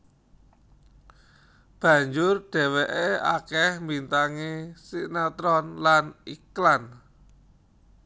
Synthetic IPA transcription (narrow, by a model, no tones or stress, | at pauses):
b̥ä̤ɲd͡ʒʊrɖ̥ɛ̤wɛʔea̰kɛhmbint̪aŋesinat̪ɾɔnlaniklan